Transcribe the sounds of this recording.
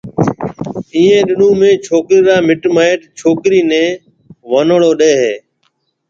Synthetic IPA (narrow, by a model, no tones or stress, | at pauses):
ĩːẽːɗɪnũːmẽːt͡ʃʰoːkɾiːɾaːmɪʈmaːɪʈt͡ʃʰoːkɾiːnẽː | ʋənɽoːɗeːɦeː